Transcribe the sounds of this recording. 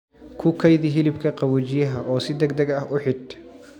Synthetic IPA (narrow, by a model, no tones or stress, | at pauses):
kʰʊkʰɐjðɪɦɪlɪbkʰɐqɑwɔt͡ʃɪjɐɦɐʔɔːsɪd̪ɐɡd̪ɐɡɐhʊħɪd̪